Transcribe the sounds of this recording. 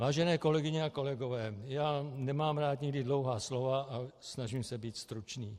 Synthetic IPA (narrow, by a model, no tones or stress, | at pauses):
vaːʒɛnɛːko̞lɛɡɪɲɛako̞lɛɡovɛːjaːnɛmaːmɾaːt̪ɲɪɡdɪdlowɦaːslovaasnaʒimsɛbiːt̪st̪ɾut͡ʃniː